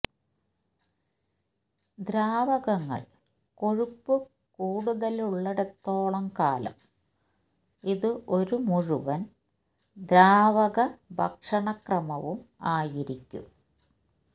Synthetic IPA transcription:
d̪ɾaːʋɐɣɐŋːɐ̰ɭ | ko̞ɻupːɨ | kuːɽuðɐluɭːɐɽet̪ːo̞ːɭɐmkaːlɐ̰m | iðɨʔo̞ɾumuɻuʋɐn | d̪ɾaːʋɐɣɐbʱɐ̰kʂɐɳɐkrɐmɐʋumaːjiɾikʲːṵ

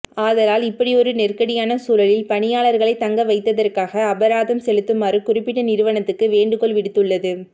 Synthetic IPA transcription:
aːðɐlaːlɪpːɐɽiɔɾɯnɛrkɐɽɪjaːnɐsuːlɐlɪlpɐɳɪjaːlɐɾɣɐɭɐɪt̪ːɐŋɡɐʋɐɪt̪ːɐðɐrkaːɣɐːbɐɾaːðɐmsɛlɯt̪ːɯmaːrɯkʊrɪpːɪʈːɐnɪɾɯʋɐnɐt̪ːɯkːɯʋeːɳɖɯkɔɭʋɪɽɯt̪ːɯɭːɐðɯ

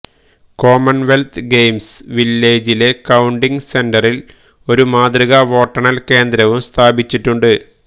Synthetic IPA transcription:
ko̞ːmɐnʋe̞lt̪ʰɡejmsʋilːeːd͡ʑile̞kɐwɳɖiŋɡse̞ndɐril | o̞ɾumaːd̪riɣɐʋo̞ːʈːɐɳɐlke̞ːnd̪ɾɐʋumst̪ʰaːbit͡ɕːiʈːuɳɖɨ

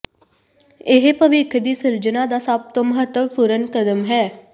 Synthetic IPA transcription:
eɦepəʋɪkʰəd̪iːsɪɾd͡ʒənad̪asaːp̚t̪əməɦət̪wəʋpuɾənkəd̪əmɦɛː

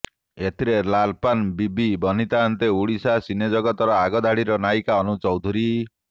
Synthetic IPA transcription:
et̪ʰiɾelalpanbibibɔn̤it̪aːnt̪euɽisasined͡ʒɔɡɔt̪ɔɾɔaɡɔd̪ʱaɽiɾɔnajkaɔnut͡ʃɔwd̪ʱuɾi

